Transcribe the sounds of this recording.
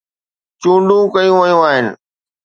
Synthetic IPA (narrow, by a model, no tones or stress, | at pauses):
t͡ɕũːɳɖũkɐjũʋɐjũaːɦɪnɪ̰̆